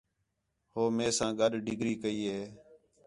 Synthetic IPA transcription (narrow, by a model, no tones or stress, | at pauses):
hoːmeːsãːɡəɗɖɪɡɾiːkəiːɦeː